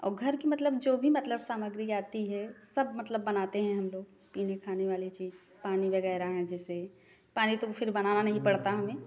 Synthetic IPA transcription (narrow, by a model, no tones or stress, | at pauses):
ɔ̰ːɾɡʱɐɾkimɐt̪ləbd͡ʒoːbʱimɐt̪ləbsaːməɡɾiaːt̪iɦɛsɐbmɐt̪ləbːɐnaːt̪eɦɛ̃ɦɐmloːɡ | piːnekʰaːneʋaːlet͡ʃiːz | paːnibeɡaːɾaɦɛ̃d͡ʒɛːse | paːnit̪ofʰɪɾbɐnaːnanɐɦĩpɐɽt̪aɦɐmẽː